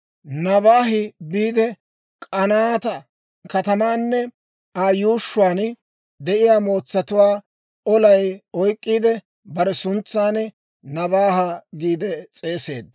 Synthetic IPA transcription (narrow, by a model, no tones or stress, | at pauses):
nɐbaːɦɪbiːd̪ɛ | kʼɐnaːt̪ɐ | kɐt̪ɐmaːnːɛ | aːjuːʃːʊwaːn | d̪ɛʔɪjaːmo̞ːt͡sːɐt̪ʊwaː | ɔlɐjɔjkʼːiːd̪ɛ | bɐɾɛsʊnt͡sːaːn | nɐβaːɦɐɡiːd̪ɛt͡sʼe̞ːse̞̰ːd̪